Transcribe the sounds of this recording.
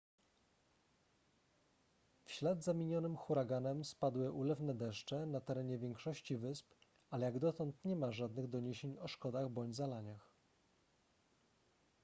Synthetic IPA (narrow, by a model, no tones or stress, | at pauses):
fɕlad̪zamʲiɲɔnɘmxuɾaɡanɛmspad̪wɘʔulɛvnɛd̪ɛʂt͡ʂɛnat̪ɛɾɛɲɛvʲjɛŋkʂɔɕt͡ɕivɘsp | alɛjaɡd̪ɔt̪ɔnt̪ɲɛmaʐad̪nɘɣd̪ɔɲeɕeɲɔʂkɔd̪aɣbɔɲd͡ʑzalaɲax